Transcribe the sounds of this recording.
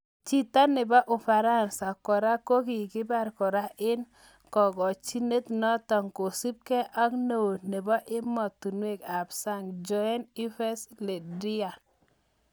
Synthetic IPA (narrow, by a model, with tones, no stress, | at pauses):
t͡ʃi˦˨t̪a˦nɪ˨bɔ˦ʔʊ˨fa˨ɾa˦nsa˨kɔ˨ɾa˦ko˦ki˨kɪ˦ba˦˨ɾkɔ˨ɾa˦ʔɪ˦n | kɔ˨ɡɔ˨t͡ʃi˦ne˦t̪nɔ˦t̪ɔ˨ŋko˨si˦p̚kɛ˦ʔa˦kno˨o˨tne˨bɔ˦ʔɪ˦mɔ˨t̪ːu˨nwe˦˨ka˨bsa˦˨ŋd͡ʒɔ˦ɛ˦ni˦fɛ˦sle˨di˦a˨